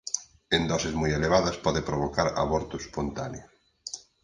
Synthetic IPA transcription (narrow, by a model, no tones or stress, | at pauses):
end̪ɔsɪzmujeleβaðɐspɔðɪpɾoβ̞okaɾa̰βɔɾt̪ʊspont̪aneʊ